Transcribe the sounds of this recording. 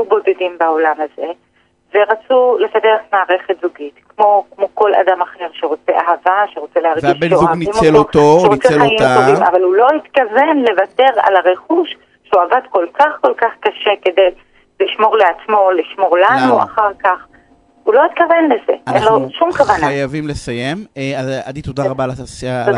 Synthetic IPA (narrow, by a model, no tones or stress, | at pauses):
jubo̞de̞dimbao̞lamaze̞ | veʁat͡sule̞fadeʁetmaːʁe̞χet̪zuɡitkmo̞kmo̞ko̞la̰damaχiʁʃeʁo̞t͡se̞ʔaɦavaʃeʁo̞t͡selehaʁɡiʃaimmooʃeʁot͡seamoima̰valulo̞hit̪kave̞nle̞vate̞ʁa̰laʁeχuʃ | ʃeuavadko̞lkaχko̞lkaχkaʃe̞ke̞de̞j | liʃmo̞ʁleat͡smo̞liʃmo̞ʁlanua̰χaʁkaχ | ulo̞it̪kave̞nleze̞enloʃumkavanaajavimlesajemeaadit̪odaʁabaːlaa